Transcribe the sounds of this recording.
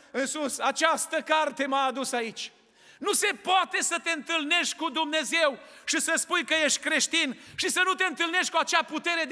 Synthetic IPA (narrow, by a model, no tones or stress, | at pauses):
ɨnsusat͡ʃast̪əkart̪e̞maːd̪usait͡ʃʲ | nuse̞poat̪e̞sət̪eɨnt̪ɨlne̞ʃt̪̚ʲkud̪umne̞ze̞w | ʃisəspujkəje̞ʃt̪ʲkɾe̞ʃt̪inʃisənut̪e̞ɨnt̪ɨlne̞ʃt̪̚ʲkuat͡ʃeaput̪e̞ɾe̞d̪